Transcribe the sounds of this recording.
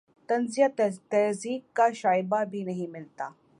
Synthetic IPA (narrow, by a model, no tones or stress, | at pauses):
t̪ɐnzijat̪ɐɦziːkːaɕaːjbabʱiːnɐɦĩmɪlt̪aː